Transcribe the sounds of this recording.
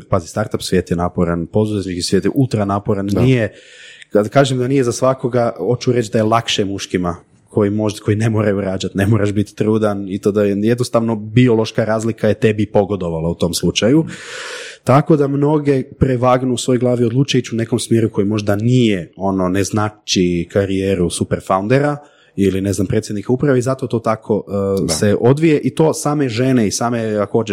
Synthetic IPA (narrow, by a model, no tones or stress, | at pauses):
pazist̪aɾt̪apsʋjeːt̪jenaːpoɾanpo̞zuzet̪ɲikisʋjeːt̪jeʔulˠt̪ɾanapoɾanijekad̪kaːʒemd̪anijezasʋako̞ɡao̞t͡ʃuɾe̞t͡ʃd̪ajelˠakʃemuʃkima | ko̞jimoko̞jine̞mo̞ːɾajuɾaːd͡ʒat̪ne̞moɾaʃbit̪t̪ɾuːd̪anit̪oːd̪ajed̪nost̪aʋno̞bio̞lo̞ʃkaɾaːzlikaje̞t̪e̞bipo̞ɡo̞d̪o̞ʋalaut̪o̞mslˠut͡ʃaju | t̪ako̞d̪amno̞ɡe̞pɾeʋaːɡnuusʋo̞joɡlˠaːʋiod̪lˠuːt͡ʃajut͡ɕune̞ko̞msmjeɾuko̞jimo̞ʒd̪anijeo̞no̞neznat͡ʃikʰaɾijeːɾusupeɾfaund̪eɾa | iline̞znampɾet̪sʲjed̪nikaupɾaʋeizat̪o̞t̪o̞ːt̪akʰo̞seʔo̞d̪ʋije̞ʔit̪o̞ːsaːme̞ʒeneisaːmeako̞ːd͡ʒe